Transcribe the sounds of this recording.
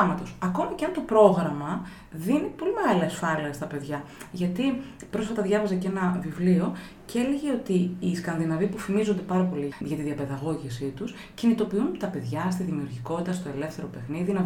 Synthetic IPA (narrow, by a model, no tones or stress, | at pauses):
mɐt̪o̞sɐko̞mɐceɐnt̪o̞pɾo̞ɣɾɐmɐ | ðinipo̞lime̞ɣɐliɐsfɐliɐst̪ɐpe̞ðʝɐ | ʝɐt̪ipɾo̞sfɐt̪ɐðʝɐvɐzɐce̞nɐvivlio | ce̞le̞ʝe̞o̞t̪iːskɐnðinɐvipufimizond̪e̞pɐɾɐpo̞liʝɐt̪iðiɐpe̞ðɐɣo̞ʝisit̪us | cinit̪o̞piunt̪ɐpe̞ðʝɐst̪iðimiuɾʝiko̞t̪it̪ɐst̪o̞e̞le̞fθe̞ɾo̞pe̞xniðinɐ